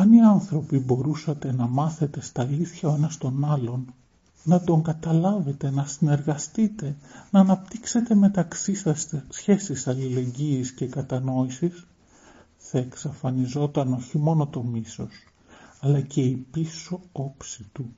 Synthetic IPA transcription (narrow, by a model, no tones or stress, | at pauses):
ɐniɐnθɾo̞pibo̞ɾusɐt̪e̞nɐmɐθe̞t̪e̞st̪ɐːliθçɐoe̞nɐst̪o̞nɐlo̞nː | ɐt̪o̞ŋɡɐt̪ɐlɐve̞t̪e̞nɐsine̞ɾɣɐst̪it̪e̞nɐːnɐp̚t̪ikse̞t̪e̞me̞t̪ɐksisɐsçe̞sisɐlile̞ɲɟiːsce̞kɐt̪ɐno̞isis | θɐeksɐfɐnizo̞t̪ɐno̞çimo̞no̞t̪o̞miso̞s | ɐlɐce̞ipiso̞o̞psit̪u